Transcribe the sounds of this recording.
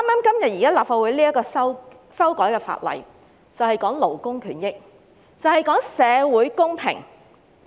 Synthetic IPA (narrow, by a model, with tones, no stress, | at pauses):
aː˥maː˥mkɐ˥mjɐ˨t̚ji˨kaː˥laː˨p̚faː˧wuː˨˥liː˥ɐ˥kːɔː˧sɐ˥ | sɐ˥wkɔː˨˥jkɛː˧fa̰ː˧t̚lɐ̰˨˩j | t͡sɐ˨whɐ˨jkɔː˨˥ŋlo˨˩wkʊ˥ŋkʰyː˨˩njɪ˥k̚ | t͡sɐ˨whɐ˨jkɔː˨˥ŋsɛː˨˧wuː˨˥jkʊ˥ŋpʰɪ̰˨˩ŋ